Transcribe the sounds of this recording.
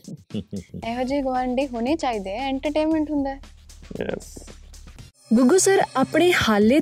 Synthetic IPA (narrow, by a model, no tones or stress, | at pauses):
ɛːɦod͡ʒiːɡəʋaːɾəɳɖiːɦoːneːt͡ʃaːiːd̪eːɛɛ̃ːɳʈəɾʈeːnmɛ̃ɳʈɦʊnd̪aːɛjɛ̰s | ɡʊɡʊsəɾaːpɽeːhaːlːeː